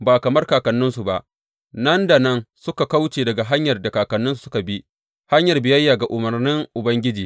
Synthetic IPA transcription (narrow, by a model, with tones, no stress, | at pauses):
baː˨kɐ˨mɐ˦rkaː˨kɐ˨nːʊ˦nsu˨ba˦ʔ | nɐ˦nda˨nɐ˦nsʊ˦ka˨ka˦wt͡ʃeː˨dɐ˨ɡa˨ɦa˦ɲjɐ˨rda˨kaː˨kɐ˨nːʊ˦nsu˨sʊ˦ka˨bi˦ | ha˦ɲjɐ˨rbɪ˨jɐ˦jːaː˨ɡa˨ʔʊ˨mɐ˨rnɪ˦ŋʔʊ˨bɐ˦ŋɡʲɪ˦d͡ʒiː˨